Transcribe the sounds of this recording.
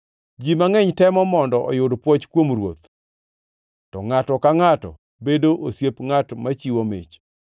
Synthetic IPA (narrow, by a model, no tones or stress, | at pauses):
d͡ʒimaŋɛɲtɛmɔmɔndɔʔɔ̰jʊdpwɔt͡ʃkwomɾwo̰t̪ | tɔŋatɔkaŋatɔ̰ | bedoʔosjepŋatmat͡ʃiwomḛt͡ʃ